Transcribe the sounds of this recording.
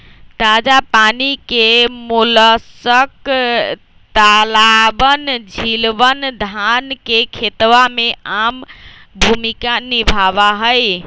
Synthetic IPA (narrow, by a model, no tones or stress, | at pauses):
t̪ad͡ʒapanikemuləsək | t̪alabənd͡ʒʱilʋənd̪ʱankekʰet̪ʋameambʱumikanibʱaβaɦəj